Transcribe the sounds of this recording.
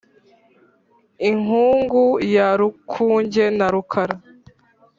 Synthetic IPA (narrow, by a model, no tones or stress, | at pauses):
iŋuːŋɡujaɾukʰuːɲɟe̞naɾukʰaɾa